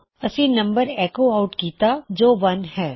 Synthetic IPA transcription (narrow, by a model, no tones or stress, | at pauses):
ɐsinɐ̃mbəɾɛːkoaːʊʈkiːt̪ad͡ʒoːʋɐnɦɛː